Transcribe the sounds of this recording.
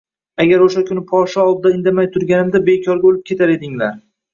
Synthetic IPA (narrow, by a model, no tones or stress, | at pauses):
aɡʲaɾoʃakʲʰʊnɪpʰɒʃɒɒd̪̚d̪aɪnd̪amajt̪ʰʊɾɡʲanɪmd̪abe̞kʲʰɒɾɡʲaolɪp̚kʲʰe̞t̪ʰaɾe̞d̪ɪŋlaɾ